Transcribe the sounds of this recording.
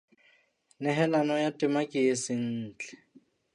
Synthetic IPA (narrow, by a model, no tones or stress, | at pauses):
nɛɦɛlanɔjatʼɪmakʼɪesɪn̩ːt͡ɬʼɛ̥